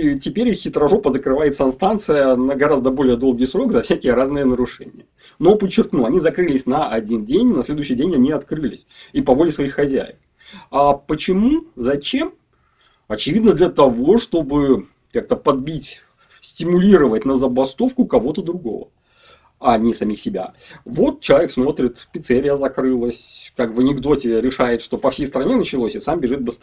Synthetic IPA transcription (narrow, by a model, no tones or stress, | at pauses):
tʲɪpʲeɾʲɨxːʲɪt̪ɾɐʐopəzəkɾɨvajɪt̪sənst̪ant̪sɨjənəɡɐɾazd̪əbo̞lʲɪjəd̪o̞lˠɡʲijsɾo̞ɡzɐfsʲækʲɪjəɾaznɨjənəɾʊʂɛ̰nʲɪ̰jə | no̞pət͡ɕːɪrknuɐnʲizɐkɾɨlʲɪsʲnɐʔɐdʲindʲenʲnɐsʲlʲe̞d̪ʊɕijdʲenʲɐnʲiɐt̪kɾɨlʲɪ̰sʲipɐvo̞lʲɪsvɐixxɐzʲæ̰jɪ̰ft̪ | apət͡ɕɪmuzɐt͡ɕe̞m | ɐt͡ɕɪvʲid̪nəd̪lʲət̪ɐvo̞ʂt̪o̞bɨ | kak̚t̪əpɐd̪̚bʲitʲ | sʲtʲɪmʊlʲiɾəvətʲnəzəbɐst̪o̞fkʊkɐvo̞t̪əd̪ɾʊɡo̞̰və̰ | ɐnʲɪsɐmʲixsʲɪbʲa̰vo̞t̪̚t͡ɕɪlˠɐeksmo̞t̪ɾʲɪt̪pʲɪt̪seɾʲɪjəzɐkɾɨlˠəsʲkakvənʲɪɡd̪o̞tʲɪɾʲɪʂajɪt̪ʂt̪o̞pɐfsʲejst̪əɾɐnʲenət͡ɕɪlˠosʲɪsambʲɪʐɨt̪̚bɨst̪